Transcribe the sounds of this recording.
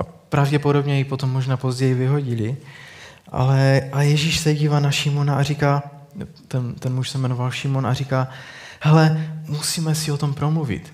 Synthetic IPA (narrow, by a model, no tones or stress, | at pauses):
ʔapɾavɟɛpodo̞bɲɛjipo̞t̪o̞mːoʒnaːpo̞zɟɛjivɪɦo̞ɟɪli | ʔa̰lɛʔajɛʒiːʃsɛɟiːvaːnaʃimo̞naʔarikaː | t̪ɛnt̪ɛnmuʃsɛmɛno̞valʃimona̰rikaːhɛlɛmusiːmɛsiot̪o̞mpɾo̞mluvɪ̰t̪